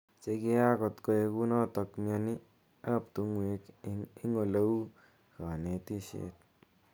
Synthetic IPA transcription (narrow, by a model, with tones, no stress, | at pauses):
t͡ʃe˧ke˦a˦kɔ˨tko˧e˧ku˦nɔ˦tɔ˧kmja˧ni˦ | a˦p̚tu˨˦ŋwe˧ki˦ŋo˨le˦wu˦ | ka˨ne˨ti˦ʃḛ˦t̚